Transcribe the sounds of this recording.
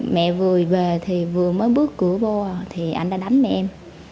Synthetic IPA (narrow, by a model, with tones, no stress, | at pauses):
mɛ̰˧˨vɨ˨˩əjve˨˩t̪ʰi˨˩vɨ˨˩əməː˨˦jɓɨ˦˥ək̚ːɨ˧˩əɓɔ˧t̪ʰi˨˩ʔa̰˧jŋɗaː˧˥ɗa˨˦jŋmɛ̰˧˨ʔɛ˧m